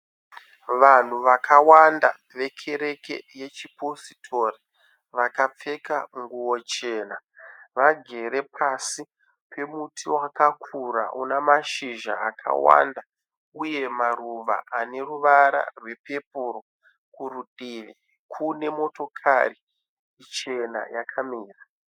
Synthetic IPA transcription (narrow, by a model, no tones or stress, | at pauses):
ʋan̤uʋakʰawanda̰ | ʋe̞kʰe̞ɾe̞ke̞̰je̞t͡ʃipositʰo̞ri | ʋakap͡fe̞kauŋɡuwo̞t͡ʃe̞ːnaʋaɡʱe̞ɾe̞pʰasi | pʰe̞mutʰiwakakʰuɾa̰ʔṵnamaʃiʒa̰akʰa̰wa̰nda | uje̞maruʋa̰ʔane̞ɾuʋaɾa̰rwe̞pe̞p̚uɾo | kuɾudʱiʋi | kʰune̞mo̞to̞kʰa̰riː | t͡ʃe̞na̰jakʰamiːra